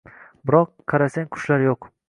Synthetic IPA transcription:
bɪɾɒqːʰɑɾasaŋkʰʊ̥ʃlaɾjoq

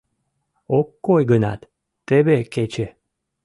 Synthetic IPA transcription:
okːojɡənɑ̰t̪ː | ebeket͡ɕe

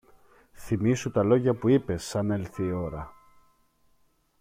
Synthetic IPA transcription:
θimisut̪ɐlo̞ʝɐpuipe̞sːɐne̞lθiːo̞ɾɐ

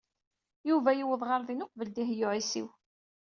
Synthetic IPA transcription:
juvæjiwəðˤʁɑɾˤðinʊqvəld̪iɦjʊʕisḭw

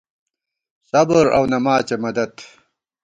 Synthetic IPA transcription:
sɐbɾɐ̰wnɐmaːt͡ɕemɐd̪ɐt̪

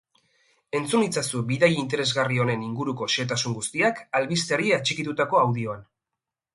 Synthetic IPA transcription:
e̞nt͡sunit͡sasuβiðajint̪e̞ɾe̞zɣario̞ne̞niŋɡuɾuko̞ʃe̞t̪asuŋɡust̪iakalβist̪eɾiat͡ʃikit̪ut̪ako̞awðio̞an

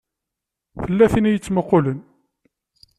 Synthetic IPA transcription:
fəlːæθinijət͡sːməqːʊlən

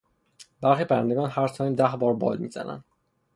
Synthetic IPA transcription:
b̥æɾxiːpʰæɾænd̪eɡɒːnhæɾsʰɒiːmd̪æhbɒːɾbɒ̰ːd̪miːzæ̰næ̰nd̪

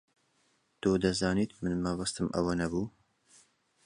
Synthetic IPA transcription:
t̪oːd̪ɐzɑːnit̪mɨnmɐbɐst̪ɨmʔɐ̰wɐnɐbuː

